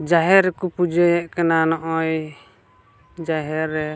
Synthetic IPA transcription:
d͡ʒaɦɛɾkupud͡ʒɛjɛʔkɛnanɔʔɔj | d͡ʒaɦɛɾɛ

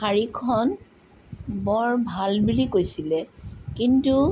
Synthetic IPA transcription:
aɹikʰɔn | bɔɹbʱalbulikojsilɛkintu

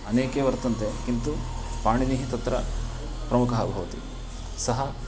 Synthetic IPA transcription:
ɐneːkeʋɐɾt̪ɐnt̪ekint̪upaːɳiniɦit̪ɐt̪ːɾɐ | pɾɐmukɐɦɐbʱɐʋɐt̪ḭ | sɐɦɐ

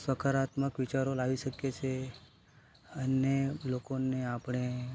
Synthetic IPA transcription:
sʋəkʰaɾat̪məkʋit͡ʃaɾolaʋiʃəkjet͡ʃʰe | ənelokoneapɳ̃e

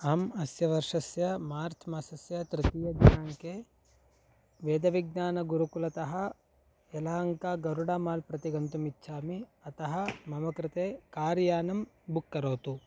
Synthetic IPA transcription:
ɐmɐsjɐʋɐɾʂɐsjɐmaːɾt̪ʰmɐsɐsjɐt̪ɾit̪ijɐɡnaːŋkeː | ʋeːd̪ɐʋiɡ̚naːnɐɡuɾukulɐt̪ɐɦɐ | ɛlaːŋkaːɡɐɾuɽaːmaːlpɾɐt̪iɡɐnt̪umitːʃʰaːmiɐt̪ɐɦɐmɐmɐkɾɪt̪eːkaːɾjaːnɐm | bukːɐɾoːt̪u

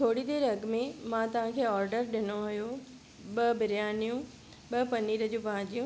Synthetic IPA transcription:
t̪ʰoːɽid̪eːɾɐɡmẽmãt̪ɐʋ̤ãkʰeːɔːɾɖəɾɗɪnoɦʊjo | ɓɐbɪɾjaːnijũ | ɓɐpɐniːɾəd͡ʑũːpɐãd͡ʑijũ

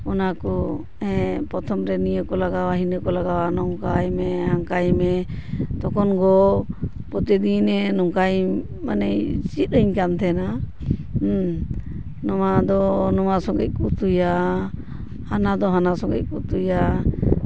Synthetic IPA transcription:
ɔnakɔ | ɛ̃pɾɔt̪ʰɔmɾɛnijəkɔlaɡawaɦinəkɔlaɡawanɔŋkajmɛɦaŋkajmɛt̪ɔkɔnɡɔ | pɔt̪ɛd̪inɛnɔŋkaj | manɛjt͡ʃit̪̚əɲkant̪ʰɛna | nɔmad̪ɔnɔmasɔ̃ɡɛc̚kut̪uja | anad̪ɔɦanasɔŋɡɛ̰c̚kut̪uja

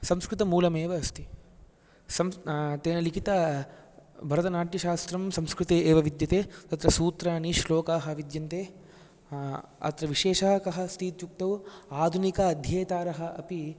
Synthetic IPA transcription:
sɐmskɾɪt̪ɐmuːlɐmeːʋɐɐst̪ʰi̥ | sɐmt̪eːnɐlikʰit̪ɐ | bʱɐɾɐt̪̬ɐnaːʈjɐʃaːst̪ɾɐmsɐmskɾɪt̪eːeːʋɐʋid̪jɐt̪eːt̪ɐt̪ɾɐsuːt̪ɾɐniʃloːkaːɦɐ̆ʋid̪jɐnt̪eː | ɐ̰t̪ɾɐʋiʃeːʃɐɦɐkɐɦɐ̆st̪ʰit̪t͡ʃuk̚t̪ɐwaːd̪ʱunikɐɐd̪ʱjɐːt̪aːɾɐɦɐ̆ʔɐpi

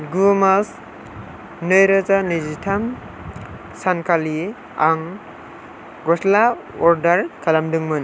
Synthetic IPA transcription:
ɡumas | nɯjɾazanɯzitʰam | sankali | aŋ | ɡɔsla | ɔɾdaɾkʰalamdɯŋmɯn

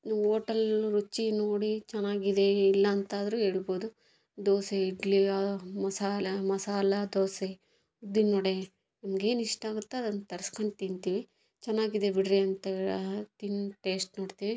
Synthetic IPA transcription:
oːʈɐlɾut͡ʃːinoːɽit͡ʃɛnːaːɡid̪e̞ilːɐːnt̪aːd̪ɐɾuɦe̞ːɭbo̞ːd̪u | d̪oːseiɖliamɐsaːɐmɐsaːlɐd̪oːse | ud̪inːoːɽe | nɐmɐɡe̞ːniʂʈaːɡut̪ːeɐd̪ɐnːt̪ɐɾɐskɐɳɖt̪int̪iːʋi | t͡ʃɛnːaːɡid̪e̞biɽɾeɐnt̪ɐt̪inʈe̞ːsʈnoːɽt̪iːʋi

